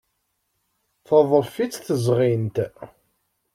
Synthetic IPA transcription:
θəðˤəfit͡sːθəzʁint̪

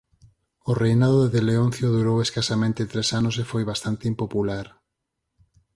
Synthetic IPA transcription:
ʊrejnaðʊðeðeleonθjoðuɾoweskasamẽnt̪et̪ɾesanʊs̬efojβast̪ant̪ɪimpopulaɾ

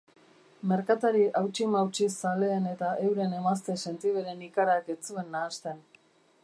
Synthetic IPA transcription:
me̞ɾkat̪aɾiʔawt͡ʃimawt͡ʃisale̞ːne̞t̪aʔe̞wɾe̞ne̞mast̪e̞se̞nt̪iβe̞ɾe̞nikaɾaket͡sue̞nːaːst̪e̞n

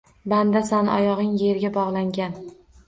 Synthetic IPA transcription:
band̪asanɒ̰jɒʁɪŋje̞ɾɡʲabɒʁlˠaŋɡʲan

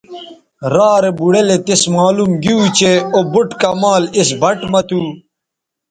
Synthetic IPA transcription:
ɾaːɾebuɽelet̪esmaːlumɡiut͡ɕeobuʈkɐmaːlisbɐʈmɐt̪uː

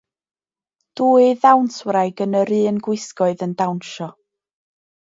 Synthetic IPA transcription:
d̥uːɨðawnswɾajɡənəɾɨːnɡwɪskɔɨðəndawnʃɔ

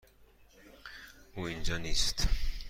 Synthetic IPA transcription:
uːind͡ʒɒːniːst̪

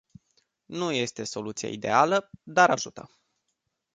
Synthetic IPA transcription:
nuje̞st̪e̞so̞lut̪sija̰id̪e̞̰aləd̪aɾaʒut̪ə

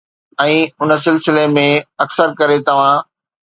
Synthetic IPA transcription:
ɛ̃ːʊnəsɪlsɪlemẽɐksəɾkɐɾet̪ɐʋ̤ã

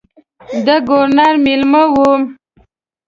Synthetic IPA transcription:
d̪əɡoɾnɑɾmilməwum

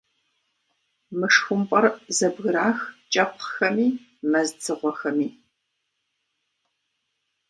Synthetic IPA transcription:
mɨʂxʷʊmpʼɐrzɐbɣɨɾaːxt͡ʃʼɐpχxɐmiː | mɐzt͡sʰɨʁʷɔxɐmiː

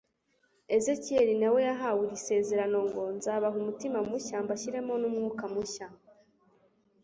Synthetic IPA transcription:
e̞ze̞cie̞ɾinawe̞jaɦawuɾise̞ːze̞ɾano̞ŋɡo̞nzaːβaɦumutimamuçaːmbaɕiɾe̞mo̞numŋuːkamuça

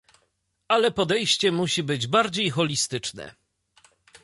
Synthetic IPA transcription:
alɛpɔd̪ɛjɕt͡ɕɛmuɕibɘd͡ʑbaɾd͡ʑejxɔlʲist̪ɘt͡ʂnɛ̰

